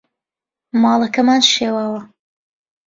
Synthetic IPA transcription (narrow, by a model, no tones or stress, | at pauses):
mɑːlˠɐkɐmaːnʃeːwaːwɐ